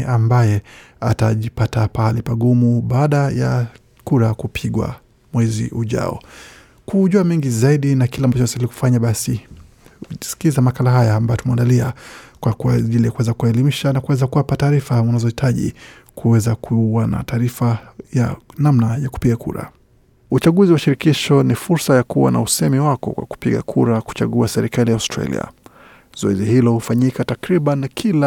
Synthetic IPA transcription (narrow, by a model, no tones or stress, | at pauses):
ʔambajɛ | a̰taʄipatapaalɛpaɠumuɓaːɗaja̰ | kuɾakupʰiɠwa̰ | mwɛzḭʔuʄa̰ɔ̰ | kuʄuamiŋɡizaiɗinakilambat͡ʃɔasailiku̥faɲaɓasi | si̥kilizamakalaɦajaːmbajɔtumɛandaliakwakuaʄilijakuwɛzakuaɛlimiʃanakuwɛzakuwapataːɾifaunazɔhitʰaʄḭ | kuwɛzakʰuwana̰taːɾifajanamnajaku̥piɠakʰṵɾa̰ | ut͡ʃaɠuziwaʃiɾikiʃɔnifuɾsajakuwa̰na̰usɛmiwakɔ̰kwa̰ku̥piɠa̰kʰuɾaku̥t͡ʃa̰ɠuasɛɾikalijaustɾa̰lḭa̰ | z̥ɔɛzihilɔhufaɲikatakɾiɓankʰila